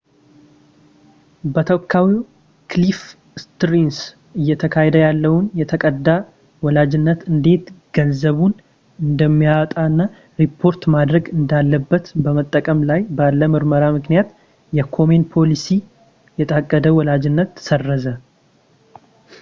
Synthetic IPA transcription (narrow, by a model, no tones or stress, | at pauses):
bət̪ʰəwkʰːawi | klif | st̪ɾins | ʔɨjːɛt̪ʰəkʰahɛd̪əjalːəwʊnjɛt̪ʰəkʼəd̪a | wɔlad͡ʒɪnːət̪ɨnd̪e̞t̪ɡ̥ənzəβun | ɨnd̪əmːijat̪ʼaɨnːa | ɾipʰːo̞ɾt̪mad̪ɾəɡɨnd̪alːəbːət̪bəmət̪ʼːəkʼəmlajbalːəmɨɾməɾamɨknijat̪ | jɛkʰo̞menpʰo̞lisi | jɛt̪ʼakʼːəd̪əwɔlad͡ʒɪnːət̪ːsərːəzə